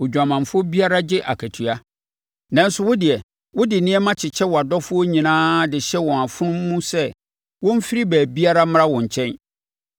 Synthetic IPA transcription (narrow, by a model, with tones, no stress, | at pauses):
ʊ˨d͡ʑᶣa˨mã˨ɱfʊ˦ɔ˦bi˦a˦ɾa˦d͡ʑɪ˦ʔa̰˨kʰæ˨tʰu˨a˦ | nã˨˦n̩˦sʊ˦wʊ˦dɪ˨ɛ˨ | wʊ˦dɪ˨nɪ̃˦ɛ˦mã˦t͡ɕʰɪ˨t͡ɕʰɛ˦wɔ˨a˨dɔ˦fʊ˦ɔ˦ɲĩ˨nãː˦dɪ˨ɕɛ˦wɔ̃˨a˨fʊ˦nʊ̃˦mː˦ũ˦sɛ˦ | wʊ̃˦m̩˦fi˦ɾi˦bæː˨bi˦a˦ɾa˦m˦ɾã˦wɔ̃˨ɲ̩˨t͡ɕʰɛ̃˦n